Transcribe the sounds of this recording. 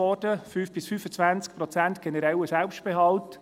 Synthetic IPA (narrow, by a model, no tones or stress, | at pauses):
ɔd̥əfyːfb̥ɪsfyːfət͡sʋænt͡sk̚pɾɔt͡sænt̪ɡ̥ɛnəɾɛwəsælpʃt̚b̥eɦɑlt